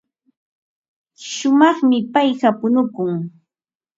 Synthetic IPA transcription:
ʃʊmɑχmɪpajɢapʊnʊkʊŋ

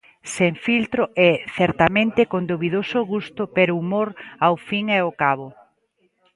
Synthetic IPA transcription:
seɱfilt̪ɾoʔɛθɛɾt̪amẽnt̪ekond̪oβiðosʊɣust̪ʊpeɾoumoɾawfiŋɛokaβʊ

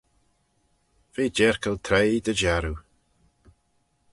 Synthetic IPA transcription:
v̥eːd͡ʒɛɹkəlt̪ʰɾejd̪əd͡ʒaɾu

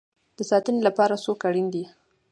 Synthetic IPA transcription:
d̪̥əsɑt̪ənelapɑɾasokaɽind̪i

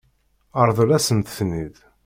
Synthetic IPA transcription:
əɾˤðˤəlæsəmt̪θnið

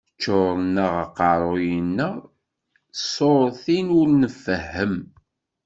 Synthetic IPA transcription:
t͡ʃːoɾˤnəʁəqɑɾˤojənːə | sˤoɾˤθinʊɾnəfəhːəm

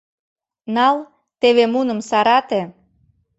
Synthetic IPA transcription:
nɑl | t̪eβemunə̆msɑɾɑt̪ĕ

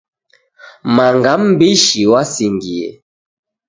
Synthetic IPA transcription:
maŋɡamm̩biʃiwasiŋɡiḛ

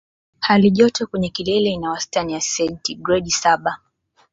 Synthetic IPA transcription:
haliʄɔtɔkwɛɲɛkilɛlɛinawastanijasɛntiɡɾɛɗisaɓa

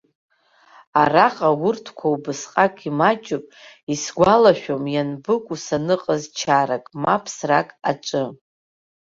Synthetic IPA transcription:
araqʼawʊrtʰkʷʰawbɨsqʼakʼimat͡ʃʼɨpʼisɡʷalaʃᶣomjanbɨkʷʼusanɨqʼəzt͡ʃʰaɾakʼmapʰsrakʼat͡ʃʷʼɨ

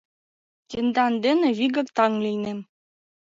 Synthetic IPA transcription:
tind̪ɑnd̪ĕnɘ̆βʲiɡɤ̆kt̪ɑŋlʲijnem

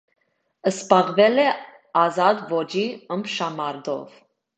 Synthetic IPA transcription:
əspɑʁvɛlɛ | ɑzɑd̪vɔd͡ʒiəmpʰʃɑmɑɾd̪ɔ̰v

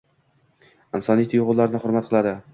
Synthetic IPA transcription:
ɪnsɒnijt̪ʰʊjʁʊlˠlːaɾnɪχʊɾmat̪̚qʰɨlˠad̪ɪ

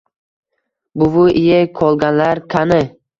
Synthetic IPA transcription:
bʊvʊʔɪjakʰɒlˠɡʲanlaɾkʰanɪ

